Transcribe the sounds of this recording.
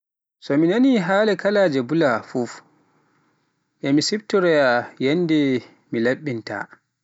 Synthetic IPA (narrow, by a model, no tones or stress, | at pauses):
sɔminaniɦaːlɛkalaːd͡ʒɛbulafuf | ʔɛmisibtɔɾɛjajɛnːdɛ | milaɓːinta̰